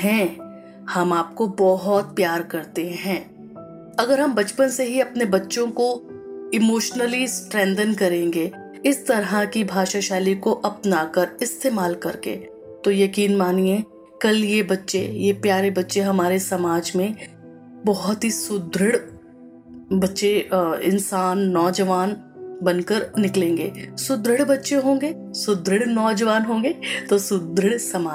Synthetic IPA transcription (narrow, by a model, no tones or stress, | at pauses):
ɦɛ̃ː | hɐmaːp̚kobɔɦɔt̪̚pjaːɾkɐɾt̪eɦɛ̃ː | ɐɡəɾɦɐmbɐt͡ʃpənseɦiɐpnebɐtːʃõko | ɪmoːʃnəlisʈɾɛ̃ːnd̪ənkɐɾẽːŋɡe | ɪst̪ɐɾɦakibʱaːʃaʃaːlikoʔɐpnaːkɐɾɪst̪eːmaːlkɐɾkḛː | t̪ojɐkiːnmaːniẽ | kɐljebɐtːʃejepjaːɾebɐtːʃeɦɐmaːɾesɐmaːd͡ʒmẽ | bɔɦʊt̪ɦisʊd̪ɾɪɽ | bɐtːʃeɪ̰̃nsaːnːɔːd͡ʒəʋaːn | bɐnkəɾnɪklẽːŋɡḛːsʊd̪ɾɪɽbɐtːʃeɦõːŋɡeː | sʊd̪ɾɪɽnɔːd͡ʒəʋaːnɦõːŋɡeːt̪osʊd̪ɾɪɽsɐmaːd͡ʒ